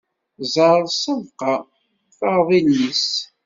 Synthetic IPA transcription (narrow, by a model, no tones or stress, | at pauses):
zˤɑɾˤðˤsəvqɑ | fəʁðˤilːis